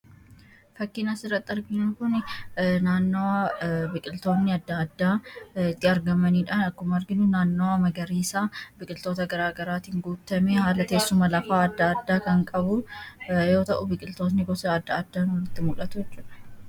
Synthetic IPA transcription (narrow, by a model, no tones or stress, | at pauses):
fɐkːɪnɐsɪrːɐt̪ːɐɾɡɪnɐŋkʊnnaːnːowabɪkʼɪlt̪o̞ːnːɪɐd̪ːɐːd̪ːaːɪt̪ːɪɐɾɡɐmɐniːᶑaːnɐkːʊmɐɾɡɪnʊnaːnːoːwamɐɡɐɾiːsaːbɪkʼɪlt̪o̞ːt̪ɐɡɐɾaːɡɐɾaːt̪iːŋɡuːt̪ːɐmehaːlɐk̪e̞ːsːʊmɐlɐfaːɐd̪ːɐːd̪ːaːkɐŋkʼɐbʊjo̞ːt̪ɐʔʊbɪkʼɪlt̪o̞ːt̪nɪɡɔsɐɐd̪ːɐːd̪ːaːnɔlɪt̪ːɪmʊᶑɐt̪ʊjɛt͡ʃːuːᶑɐ̥